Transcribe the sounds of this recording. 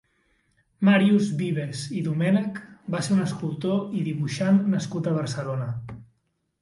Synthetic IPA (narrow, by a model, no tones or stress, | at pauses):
maɾiuzβiβeziðumɛnəkbaseɾunəskulˠt̪oiðiβuʃanːəskut̪əβ̞əɾsəlonə